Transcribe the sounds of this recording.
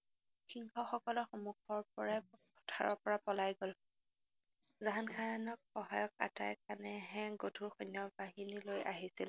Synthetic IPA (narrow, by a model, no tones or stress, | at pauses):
xiŋxɔxɔkɔlɔxomukʰɔɹpɔɹakɔ̥tʰaɹɔɹpɔɹapɔlajɡol | zaɦankʰanɔk̚xɔɦajɔka̰ta̰jkanɛɦɛ̃ɡodʱuɹxɔnjɔbaɦinilojʔa̰ɦisil